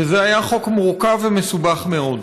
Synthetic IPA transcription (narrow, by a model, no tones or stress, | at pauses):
ezeajaχo̞kmuʁukavemesubaχmeo̞d